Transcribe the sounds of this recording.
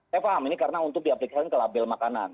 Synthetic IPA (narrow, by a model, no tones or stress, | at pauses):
jafaɦaminikaɾənaunt̪ʊk̚diaplikaskankəlabɛlmakana̰n